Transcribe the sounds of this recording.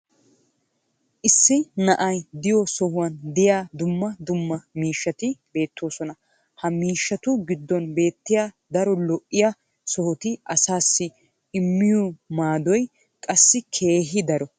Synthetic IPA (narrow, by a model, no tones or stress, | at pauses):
ʔɪsːɪnɐʔɐjd̪ɪjɔsɔhʊwɐnd̪ɪjaːd̪ʊmːɐd̪ʊmːɐmiːʃːɐt̪ɪbe̞ːt̪ːo̞ːsɔnɐ | hɐmiːʃːɐt̪ʊɡɪd̪ːɔnbe̞ːt̪ːɪjaː | d̪ɐɾɔlɔʔːɪja | sɔhɔt̪ɪʔɐsaːsːɪ | ɪmːɪjɔmaːd̪ɔj | kʼɐsːɪkʰe̞ːɦɪd̪ɐɾɔ